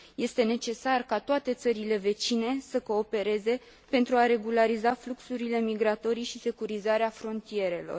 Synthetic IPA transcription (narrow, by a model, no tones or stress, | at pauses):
je̞st̪e̞ne̞t͡ʃe̞sarkat̪oat̪e̞t̪səɾile̞ve̞t͡ʃine̞səko̞ːpe̞ɾe̞ze̞ | pe̞nt̪ɾuaɾe̞ɡulaɾizafluksuɾile̞miɡɾat̪o̞ɾiʃise̞kuɾizaɾeafɾo̞nt̪ie̞ɾe̞lo̞̰r